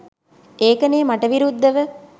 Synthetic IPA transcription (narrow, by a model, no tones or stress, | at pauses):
eːkəneːmaʈəʋiɾud̪ʱːəʋə